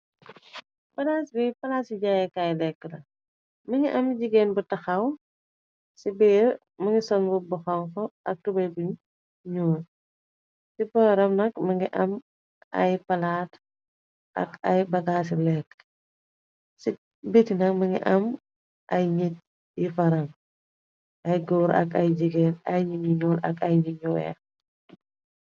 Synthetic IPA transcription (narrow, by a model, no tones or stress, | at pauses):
bɐɡaːsbɛjpɐlaːsiɟajɛkajlɛkːənɐ | mɐŋɡiʔɐmɟiɡɛːnbutɐxɐw | sibɛɾ | mɐŋɡisɔnbubɔxɐŋkɔʔɐk̚tubɐjbuɲ | ɲu | sibɔːɾɐmnɐkmɐŋɡiʔɐm | ʔɐ̰jpɐlaːt | ʔɐ̰kɐjbɐɡaːs̬ilɛk | si | bitinɐkmɐŋḭʔɐm | ʔɐjɲit̚ | jifɐɾɐŋ | ʔɐjɡɔːɾɐ̰kɐjd͡ʒiɡɛnɐjɲiɲiɲɔːlɐkɐjɲiɲuwɛ̰